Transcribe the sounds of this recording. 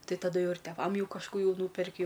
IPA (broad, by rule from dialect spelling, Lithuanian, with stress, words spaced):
ˈtɐɪ tɐˈdʊ ˈjɛʊ ɪr tʲɛˈʋɐm ˈjɛʊ kɐʃˈkuː ˈjɛʊ ˈnuːpʲɛrʲkʲɪ